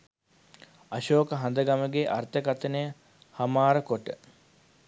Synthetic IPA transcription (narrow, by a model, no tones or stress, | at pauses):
ɐʃoːkəɦand̪əɡaməɡeʔart̪əkat̪ənəjə | hɐmaːɾəkoʈə̰